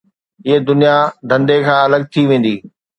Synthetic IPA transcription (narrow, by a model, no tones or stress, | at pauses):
ɪɦed̪ʊnijad̪ʱɐ̃nd̪ekʰãːɐləɡ̚t̪ʰiʋẽːn̆d̪iː